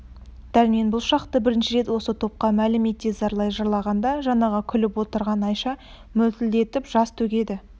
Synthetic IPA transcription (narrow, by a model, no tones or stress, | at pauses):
d̪̥æɾme̞nbʊlˠʃɑqt̪əbɪɾɪnʃɪɾe̞t̪wo̞sət̪ʰo̞p̚qɑmælɪmet̪ːezɑɾlˠɑjʒɑɾlˠɑʁɑnd̪ɑʒɑɴɑʁɑkʲʰʏlɪpwot̪əɾʁɑnɑjʃɑ | mɵlt̪ɪld̪e̞t̪ɪpʒ̥ɑst̪ʰɵkʲe̞d̪ɪ